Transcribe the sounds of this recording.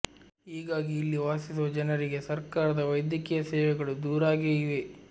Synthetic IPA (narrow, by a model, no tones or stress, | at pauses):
ɦiːɡaːɡiːlːiʋaːsis̬uʋɐd͡ʒɐnɐɾiɡe̞sɐɾkaːɾɐd̪ɐʋɐjd̪jɐkijɐsɛːʋɛɡɐɭud̪uːɾaːɡeːjiʋe